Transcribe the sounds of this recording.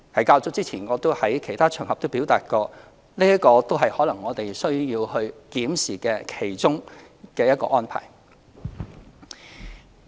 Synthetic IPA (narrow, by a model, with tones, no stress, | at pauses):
hɐ˨˥jkaː˧wt͡sʊ˥t͡siː˥t͡sʰiː˨˩nŋɔː˨˧t̪o˥whɐ˨˥jkʰe˨˩jt̪ʰaː˥t͡ʃʰœː˨˩ŋhɐ˨p̪̚o˥wpi˨˥wt̪aː˨t̚kɔː˧ | liː˥jɐ˥tkɔː˧t̪o˥wɦɐ˨jhɔː˨˥lɐ˨˩ŋːɔː˨˧t̪e˨jsɵ˥ɥjiː˧whɵ˧ɥkiː˨˥msiː˨˩kɛː˧kʰe˨˩jt͡sʊ˥ŋ | kɛː˧jɐ˥t̚kɔ̰ː˧ʔɔː˥npʰa̰ː˨˩j